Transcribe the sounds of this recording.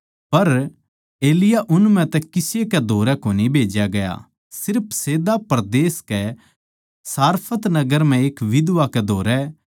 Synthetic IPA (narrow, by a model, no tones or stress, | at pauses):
pɐɾ | eːlɪjaʔʊnm̤ɛ̃t̪ɛkɪsekɛd̪ʱoːɾɛkoːnibʱeːd͡ʒjaɡɐja̰ | sɪɾpʰseːd̪apɾd̪eːskɛ | saːɾpʰət̪nɐɡəɾm̤ɛ̃eːkʋɪd̪ʋakɛd̪ʱoːɾɛ